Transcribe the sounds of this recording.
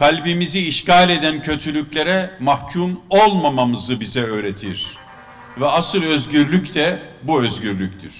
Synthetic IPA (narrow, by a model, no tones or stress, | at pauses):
kʰalʲbimiziːʃcaːlʲe̞d̪æncʰø̞t̪ʰylʲyclʲe̞ɾɛmahcʰumo̞lˠmamamɯzɯbizɛøːɾet̪ʰiɾ̥ | vɛasɯlˠø̞zɟyɾlʲyct̪ʰɛbuøzɟyɾlʲyc̚t̪ʰiɾ̥